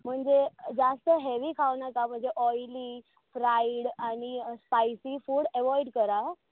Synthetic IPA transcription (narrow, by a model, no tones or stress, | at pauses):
m̤əɳd͡zed͡zast̪əɦeʋikʰaʋnakam̤əɳd͡zeʔɔjli | fɾaiɽaɽ̃ispajsifuːɽɛʋɔjɽkəɾa